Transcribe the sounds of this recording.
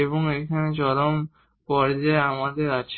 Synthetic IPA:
eβoŋekʰaned͡ʑɔɾom | kɔɾd͡ʑaamad̪eɾat͡ɕʰe

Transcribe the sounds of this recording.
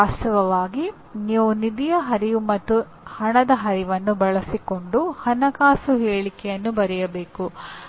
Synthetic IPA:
aːʃɐʋɐʋaːɡi | niːʋunid̪ijɐɦɐɾijumɐt̪ːu | hɐɳɐd̪ɐɦɐɾiʋɐnːubɐɭɐsiko̞ɳɖuhɐnɐkaːsuɦeːɭikɛjɐnːubɐɾɛjɐbeːku

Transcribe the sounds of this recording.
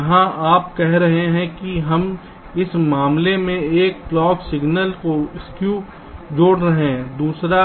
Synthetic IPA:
ɐɦãʔaːpkɛɦɾɐɦeɦɛ̃kiɦɐm | ɪsmaːmlemẽeːk̚plɔːksɪɡnəlkoɪskju | d͡ʒoːɽɾɐɦẽd̪uːsɾa

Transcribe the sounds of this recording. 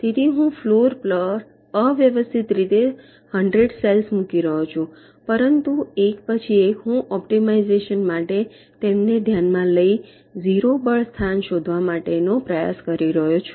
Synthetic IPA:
t̪et̪iɦũfloɾpləs | əʋjəʋəst̪ʰit̪ɾit̪e | həɳɖɾeɖselsmũkiɾəɦot͡ʃʰũ | pəɾənt̪uekpət͡ʃʰiekɦũʔɔpʈimaizeʃənmaʈe | t̪emned̪ʱjanmãləi | ziɾobəɭst̪ʰanʃod̪ʱʋamaʈenopɾəja̰skəɾiɾəɦot͡ʃʰu̥

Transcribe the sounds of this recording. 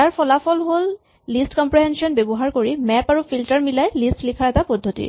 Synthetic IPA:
aɹpʰɔlapʰɔlɦolː | istkɔmpɹiɦɛnsiɔnbebɔɦaɹkoɹimɛpaɹufʰiltɔɹmilajlistlikʰaɹɛtapɔdʱːotḭ

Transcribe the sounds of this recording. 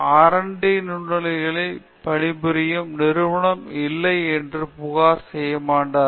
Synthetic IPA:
aːɾɐɳɖɐnʊɳːɐlɐɪɣɐɭɐɪ | pɐɳɪbɪɾɪjɯmnɪɾɯʋɐɳɐmɪlːɐɪɛndrɯpʊɣaːɾsɛjːɐmaːɳɖaː

